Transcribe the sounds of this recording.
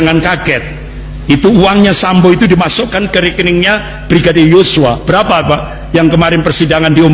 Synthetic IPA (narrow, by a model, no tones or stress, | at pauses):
ŋankaɡɛt̪̚ | it̪uːaŋɲasambɔit̪udimasʊkankəɾiknɪŋɲa | b̥ɾiɡadɪrjosuab̥əɾapapaʔ | jaŋkəmaɾɪnpərsidaŋandiom